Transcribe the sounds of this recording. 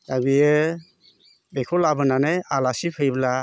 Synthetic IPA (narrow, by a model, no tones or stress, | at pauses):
abijɯ | bekʰɔlabɯnanajalasipʰɯjbla